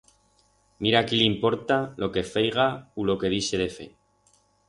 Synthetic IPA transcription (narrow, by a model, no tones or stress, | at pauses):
miɾakilimpo̞ɾt̪alo̞ke̞fejɣaulo̞ke̞ðise̞ðe̞fe̞̰